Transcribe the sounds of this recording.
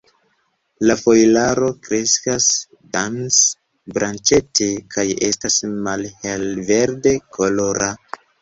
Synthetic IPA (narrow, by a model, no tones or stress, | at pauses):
lafo̞jlaɾo̞kɾe̞skas | dans | bɾant͡ʃe̞te̞kʰaje̞̰stasmalhelve̞ɾde̞kʰolo̞ɾʔa